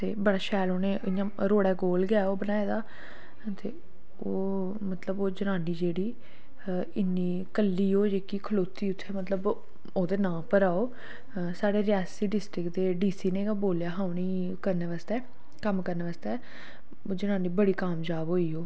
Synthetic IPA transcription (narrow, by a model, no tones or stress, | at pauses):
t̪ḛːbəɽaːʃɛːloːneːʔɪãːɾoːɽɛːɡoːlɡɪaːoːbənaːeːd̪aː | t̪eː | oː | mət̪ləboːd͡ʒənãːɳɖiːd͡ʒeːɽiː | ɪnːiː | kəlːiːɦoːd͡ʒeːkikʰəloːt̪iːʊt̪ʰːeːmət̪ləb | oːd̪eːnãːpəɾaːoː | saːɽeːɾɪjaːsiːɖɪsʈɾɪkd̪eːɖiːsiːnẽːboːljaːɦaːʊniː | kəɾneːʋaːst̪ɛː | kəmkəɾneːʋaːst̪ɛː | oːd͡ʒənãːnɖiːbəɽiːkaːmd͡ʒaːbɦoːiːɦoː